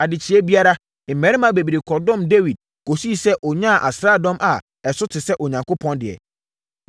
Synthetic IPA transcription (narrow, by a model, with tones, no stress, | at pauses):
a˨dɪ˨t͡ɕʰɪ˨˦ɛ˦bi˦a˦ɾa˦ | m̩˨mɛ̃˨˦ɾɪ˦mã˨˦be˨bi˨ɾɪ˨kʰɔ˨dɔ̃˦˨mde˦wi˨d̚ | ko˨si˦˨sɛ˦ʔɔ˨ɲã˦˨ʔa̰˨sɾaː˦˨dɔ̃˦mʔa˨ | ɛ˨sʊ˦tʰɪ˨sɛ˦ʔɔ˨ɲã˨ŋkʰʊ˦pʰɔ̃˦ndɪ˨ɛ̰˨